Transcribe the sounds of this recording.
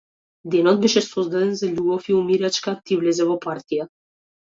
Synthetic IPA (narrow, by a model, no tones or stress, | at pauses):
d̪enɔt̪̚beʃesozd̪ad̪enzəlʲuɡofiumiɾʲat͡ʃkat̪ivlʲezevopart̪ia